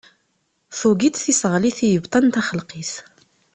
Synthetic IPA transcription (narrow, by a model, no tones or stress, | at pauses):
θuɡit̪θisʁliθijəbt̪ˤɑnt̪aχəlqiθ